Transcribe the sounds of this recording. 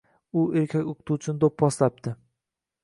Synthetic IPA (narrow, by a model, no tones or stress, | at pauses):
ʊeɾkʲʰakʲoqʰɨ̥t̪ʰut͡ʃʰɪnɪd̪opːɒslap̚t̪ʰɪ